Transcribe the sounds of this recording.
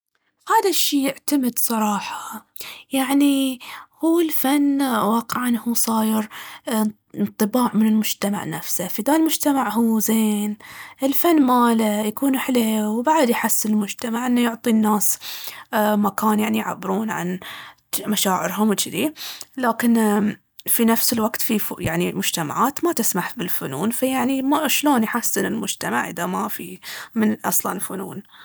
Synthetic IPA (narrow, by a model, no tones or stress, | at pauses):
haːd̪aʃːiːjɪʕt̪amɪd̪sˤɑɾˤɑːħɑ̥ | jaʕnihuːɪlfanːwɑːqɪʕanhuːsˤɑːjɪɾ | nt̪ˤːɨbaːʕmɪnɪlmʊd͡ʒt̪ama̰ʕna̰fsafid̪aːlmʊd͡ʒt̪amaʕhuːzeːnʔɪlfanːmaːlajakuːnħleːwbaʕd̪jħasːɪɪlmʊd͡ʒt̪amaʕʔɪnːajʊʕt̪ˤinːaːs | makaːnjaʕnijʕa̰bːɪɾuːnʕa̰n | maʃaːʕɪ̰ɾɦʊmwt͡ʃɪd̪ilaːkɪn | finafsɪlwaɡt̪fifjaʕnimʊd͡ʒt̪ama̰ʕaːt̪mat̪ɪsmaħbɪlfʊnuːnfajaʕnimaʃloːnjħasːɪnɪlmʊd͡ʒt̪ama̰ʕʔɪ̰ðamafimɪnʔɑ̰sˤlɑnlfʊnuːn